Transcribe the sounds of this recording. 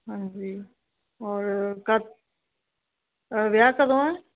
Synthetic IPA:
ɦãɲd͡ʒiː | ɔːɾkə | ʋjaːkəd̪õɛ̃ː

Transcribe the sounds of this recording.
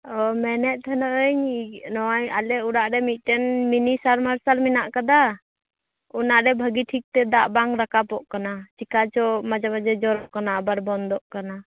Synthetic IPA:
ɔmɛnɛt̪̚ˀt̪ʰənɔʔəɲnɔwajalɛuɾaʔɾɛmit̪̚ˀʈɛnminisaɾmaɾsalminaʔkad̪a | unaʔɾɛbʱəɡiʈʰik̚t̪ɛd̪aʔbaŋɾakapɔʔkanat͡ʃikat͡ʃɔmad͡ʒamad͡ʒɛd͡ʒɔɾɔʔkanaːbaɾbɔnd̪ɔʔkana

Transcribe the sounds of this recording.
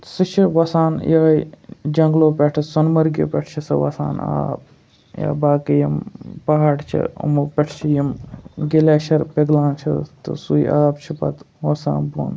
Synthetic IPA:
sɨt͡ʃʰiʋɐsaːnjaːd͡ʒɐŋɡloːpʲeʈʰsɐnmɐɾɡḭpʲɛʈʰt͡ʃʰisɨʋɐ̰sa̰ːna̰ːp̚ | ja̰ːbaːkijimpɐɦaːɽt͡ʃʰḭṵmupʲeʈʰt͡ʃʰijimɡileːʃɐɾpeɡlaːnt͡ʃʰit̪ɨ̰suiʔaːbt͡ʃʰipɐ̰t̪ | ʋɐsa̰ːnbo̰ːn

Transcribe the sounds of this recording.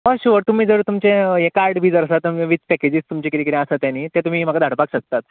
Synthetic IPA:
ʋəɕuʋəɾt̪um̤iːd͡zəɾt̪umt͡ɕẽjekaɾɖbʱiːd͡zəɾəsat̪ːəeʋit͡spɛked͡ʑiːst̪umt͡ɕikiɾikiɾẽasət̪janːiːt̪ẽt̪um̤iːm̤əɡad̪ʱaɽpakɕək̚t̪at̪

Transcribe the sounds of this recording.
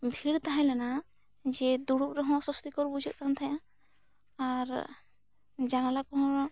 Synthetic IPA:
bʱiɽt̪aɦɛ̃lɛna | d͡ʒɛd̪uɽupɾɔɦɔ̃sɔst̪ikɔɾbud͡ʒʱit̪̚kant̪ʰajã | aɾ | d͡ʒanalakɔɦɔ̃ɾ

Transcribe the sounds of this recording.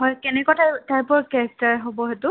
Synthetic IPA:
ɦɔjkɛnɛkɔtataɹpɔɹkɛɹɛk̚taɹɦobɔɦɛtʊ

